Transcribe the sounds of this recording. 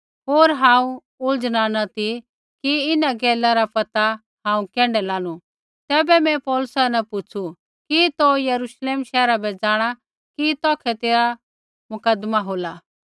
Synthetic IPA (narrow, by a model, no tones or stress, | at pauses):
ɦoːɾɦãːũ | ʊld͡ʒñanɐt̪i | kiɪnaɡɛːlaɾapɐt̪a | hãːũkɛ̃ːɳɖɛlaːnu | t̪ɛːbɛmɛ̃pɔːlʊsanɛpʊt͡ʃʰu | kit̪ojɐɾuʃleːmʃɛːɾabɛd͡zaːɽ̃a | kit̪ɔ̃ːkʰɛt̪eːɾa | mʊkəd̪maɦoːlaː